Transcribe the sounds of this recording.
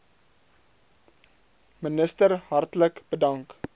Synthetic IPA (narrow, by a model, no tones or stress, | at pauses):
mənəstəɾɦɐrtləkb̥ədɐŋk